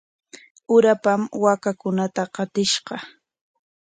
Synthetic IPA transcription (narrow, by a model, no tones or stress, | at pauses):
ʊɾapamwakakʊnat̪aqɑt̪ɪʃɢɑ